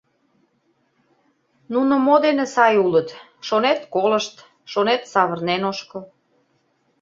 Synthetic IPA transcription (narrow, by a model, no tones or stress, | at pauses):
nunomod̪enesɑjulət̪ | ʃonet̪koləʃt̪ | ʃonet̪sɑβərnenoʃkə̆l